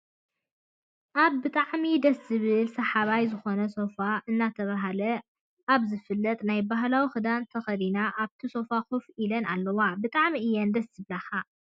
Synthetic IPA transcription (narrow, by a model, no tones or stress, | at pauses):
ʔaβːɨt̪ʼaʕmid̪ɐszɨβɨlsɐħaβajzɨxo̞nɐso̞faʔɨnːat̪ʰɐβaɦalɐ | ʔaβzɨfɨlːɐt̪ʼnajbaɦlawixɨd̪ant̪ʰɐxɐd̪inaʔaβt̪ʰiso̞faxufilɐnalːɐwabɨt̪ʼaʕmiɨjːɛnd̪ɐszɨβlaxa